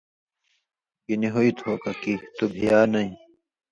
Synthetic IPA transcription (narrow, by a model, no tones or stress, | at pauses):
kiniɦoit̪ʰhokɐkit̪ubʱijaːnɐĩ